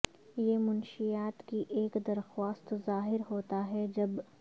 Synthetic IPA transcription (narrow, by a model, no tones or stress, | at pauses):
jemʊnʃijaːt̪kiʔeːkd̪ɐɾxwaːst̪zaːɦɪɾɦoːt̪aɦɛd͡ʒɐb